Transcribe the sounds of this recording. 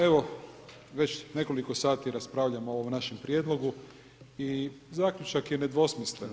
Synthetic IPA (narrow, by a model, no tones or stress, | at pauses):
e̞ʋo̞ | ʋe̞t͡ɕne̞ko̞liko̞saːt̪iɾaspɾaːʋʎamooʋomnaʃempɾje̞d̪lˠo̞ɡu | izaːkʎut͡ʃakjene̞d̪ʋo̞smislen